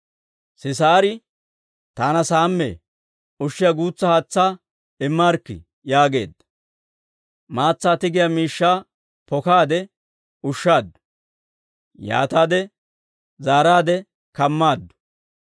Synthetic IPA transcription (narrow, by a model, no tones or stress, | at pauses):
sɪs̬aːɾɪ | t̪aːnɐsaːmːḛː | ʊʃːɪjɐɡuːt͡sːɐhaːt͡sːaː | ɪmːaːɾkːɪ̰ | jaːɡe̞̰ːd̪ːɐ̥ | maːt͡sːaːt̪ɪɡɪjamiːʃːaː | pɔkaːd̪ɛ | ʊʃːaːd̪ːʊ̥ | ja̰ːt̪aːd̪ɛ | zaːɾaːd̪ɛ | kɐmːaːd̪ːʊ̥